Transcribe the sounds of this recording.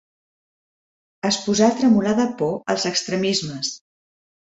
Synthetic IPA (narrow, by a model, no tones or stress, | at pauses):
əspuzat̪ɾəmulaðəpɔəlˠzəkst̪ɾəmizməs